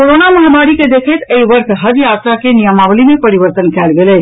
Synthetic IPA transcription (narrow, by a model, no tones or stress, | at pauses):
koɾonamuɦemaɾiked̪ekʰet̪eiʋəɾk̪ʰɦəd͡ʒjat̪ɾakenijəmaʋlimepəɾiʋəɾt̪ənkɛlɡele